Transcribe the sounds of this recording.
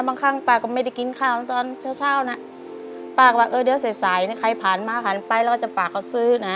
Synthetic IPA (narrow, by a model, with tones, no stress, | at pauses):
baː˧ŋkʰa˧˥˩ŋpaː˧˩kːɔ˧˩ma˧˩˨da˧˥˩jki˧˦nkʰaː˧˩wna˧˥t̪ɔː˧nt͡ɕʰaː˧˥˩wt͡ɕʰaː˧˥˩wna˧˥ | paː˧˩k̚waː˧ʔɤː˧˩di˨˧˦wsa˨˦jsaː˨˦jna˧˥˨kʰa˧˩jpʰaː˨˩nmaː˧pʰa˨˩˦npa˧jlɛː˧˩kʰːt͡ɕa˨˩faː˨˩k̚ːa˧˩wsɯː˧˩na˦